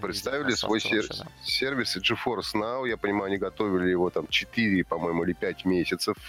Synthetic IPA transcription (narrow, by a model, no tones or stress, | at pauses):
pɾʲɪt̪st̪avʲɪlʲɪsvo̞jsʲsʲervʲɪsɨʐɨfo̞rsnaʊjapənʲɪmajʉɐnʲiɡɐt̪o̞vʲɪlʲɪjɪvo̞t̪amt͡ɕɪt̪ɨɾʲɪpɐmo̞jɪmʊilʲɪpʲætʲmʲesʲɪt̪səf